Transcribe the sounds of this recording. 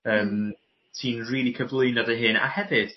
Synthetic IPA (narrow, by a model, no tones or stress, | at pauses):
əːm | tʰiːnriːlˠikʰəvlˠɨɨnadəɦɨːna̰hɛvɨd̥